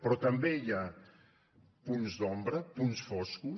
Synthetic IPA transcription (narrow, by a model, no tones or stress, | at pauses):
pɾɔt̪ɐmbeia | punzd̪ɔmbɾɐpunsfɔsku